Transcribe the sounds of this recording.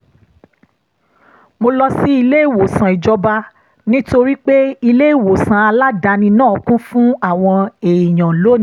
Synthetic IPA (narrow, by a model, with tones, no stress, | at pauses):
mo˧lɔ˦si˦i˧le˦i˦˨wo˨sã˨i˨d͡ʒɔ˧ba˧ | nĩ˦to˧ɾi˦k͡pe˦i˧le˦i˦˨wo˨sã˧a˧la˦da˧nĩ˧nã˦˨ɔ˨˦kũ˦fũ˦a˦˨w̃ɔ̃˧e˨i˨j̃ã˨lo˦˨